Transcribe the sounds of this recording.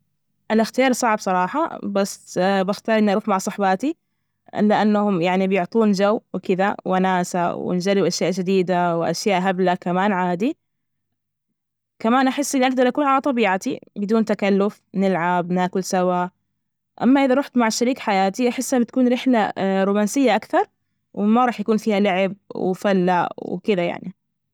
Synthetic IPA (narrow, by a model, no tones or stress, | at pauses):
ʔalɪxt̪ɪjɑːɾˤsˤɑʕbsˤɑɾˤɑːħɑ̰basbɪxt̪ɑːɾˤʔɪnːʔɑɾuːfmaʕsˤɑħbɑːt̪i | ʔɪ̰lːɪʔanːahʊmjaʕnibjʊʕt̪ˤuːnd͡ʒawːwɪkɪd̪awʔanaːsawɪ̰nd͡ʒarːɪuʔaʃjaːʔd͡ʒɪd̪iːd̪awɪʔa̰ʃjaːʔɦablakamaːnʕaːd̪i | kamaːnʔaħɪsːʔɪlːʔaɾd̪alʔakuːlhalat̪ˤɑbiːʕat̪ibɪd̪uːnt̪akalːʊfnɪlʕabnaːkʊlsawa | ʔa̰mːaʔɪðaɾˤuːħt̪maʕʃaɾiːkħajaːt̪iʔaħɪsːʔɪnːt̪akuːnɾɪħlaɾuːmaːnsɪjːaʔakθɑɾˤ | wɪmaɾˤɑːħjakuːnfiːhalaʕɪb̚wɪ̰falːaʔwɪ̰kɪd̪aja̰ʕni